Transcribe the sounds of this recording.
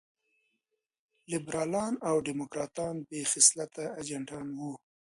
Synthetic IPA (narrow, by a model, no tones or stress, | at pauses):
lɪbɾɑlɑnawɖɪmʊkɾɑt̪ɑnbexɪslat̪aːd͡ʒaɳʈɑnwu